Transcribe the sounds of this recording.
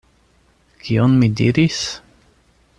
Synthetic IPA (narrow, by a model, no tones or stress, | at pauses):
kʰionmidḭɾis